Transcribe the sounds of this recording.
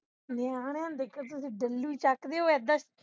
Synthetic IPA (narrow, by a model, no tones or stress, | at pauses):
naːnãnd̪ekʰːət̪ʊsĩːɖəlːuiːt͡ʃakd̪eoːɛːd̪əs